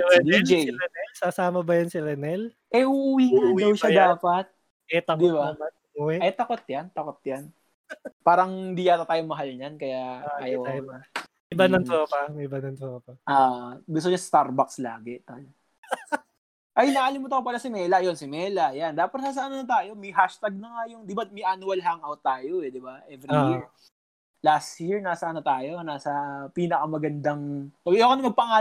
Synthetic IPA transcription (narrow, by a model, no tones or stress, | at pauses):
ɛd̪id͡ʒɛjɾɛnɛlsasaːmɐbɐjɐnsiɾɛnɛl | ʔɛuʔuwiːnɐd̪ɐwʃad̪aːpɐt̪̚ | ɛt̪ɐd̪ɪbamɐ | uwɛʔɐjt̪ɐkot̪̚jɐnt̪ɐkot̪̚jan | paːɾɐŋd̪ɪjaːt̪ɐt̪aːjoŋmɐɦalɲɐnkɐjaajoaɐ | ʔɪbanɐŋt̪ɾoːpɐmɪbanɐŋt̪ɾoːpɐʔaːʔɡʊst̪oɲɐsst̪aɾbakslaːɡɛt̪aːjo | ʔɐjnɐʔaːlɪmut̪ɐkopɐlɐsɪmɛːlɐjonsɪmɛːlɐʔjand̪aːpɐt̪̚naːs̬ɐʔɐnonɐt̪̬aːjo̞mɛɦaʃt̪aɡ̚nɐŋajʊŋd̪ɪbamɛʔanʊɐlɦaŋawt̪ːaːjoɛd̪ɪbaʔɛvɾijiɹ | last̪jiɹnaːsɐʔɐnot̪aːjo̞naːsɐpiːnɐkɐmɐɡɐnd̪ɐŋkɐbjokonɐmɐɡ̚pɐŋaː